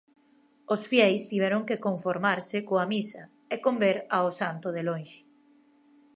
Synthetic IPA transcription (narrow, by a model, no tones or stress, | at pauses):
osfjɛjst̪iβ̞ɛɾʊŋkekoɱfoɾmaɾsɪkoamisɐ | ekombeɾaosant̪ʊðelõnʃɪ̥